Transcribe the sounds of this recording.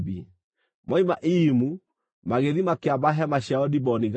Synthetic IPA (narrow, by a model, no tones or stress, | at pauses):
bḭ | maimaʔimu | maɣeðimakeabaɦɛmaɕaɔdibɔniɣ